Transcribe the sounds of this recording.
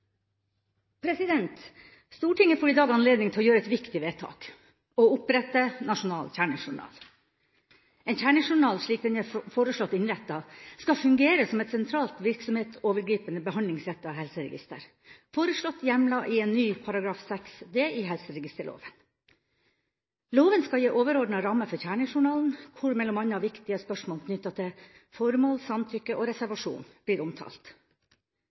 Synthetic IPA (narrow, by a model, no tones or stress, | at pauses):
pʰɾɛsɪd̪ɛnt̪ | st̪uːʈɪŋːəfɔːɾɪd̪ɑːɡɑnleːd̪nɪŋt̪ʰɪlɔːjøːɾəɛt̪ʋɪkt̪ɪʋeːt̪ʰɑ̰ːk | ɔʊpɾɛt̪ːənɑʂʊnɑːlçæːɳɪʂʊɳɑ̰ːl | ɛnçæːɳəʂʊɳɑːlʂɭiːk̚d̪ɛnɛfoːɾəʂɭɔt̪ːɪnɾɛt̪ːɑskɑfʉŋɡeːɾəsɔmɛt̪sɛnt̪ʰɾɑːlt̪ʋɪɾksɔmheːt̪oːʋəɾɡɾiːpənəbəhɑnd̪lɪŋsɾɛt̪ːɑhɛlsəɾɛ̰ɡɪ̰st̪ə̰ɾ | foːɾəʂɭɔt̪ːjɛmlɑʔɪɛːnːyːpʰɑɾɑɡɾɑːfsɛksd̪eːʔɪɦɛlsəɾɛɡɪst̪əɭo̰ːʋən | loːʋənskɑjiːʔoːʋəɾɔɖɳɑɾɑmːəfɔɾçæːɳɪŋʂʊɳɑːln̩kʰʊɾmɛlːɔmɑnːɑʋɪkt̪ɪəspœʂmoːlkʰnʏt̪ːɑt̪ʰɪ | fɔɾmoːlsɑmt̪ʰʏkːəʔoːɾɛsæɾʋɑʂṵːnb̥liːɾɔmt̪ʰɑ̰ːlt̪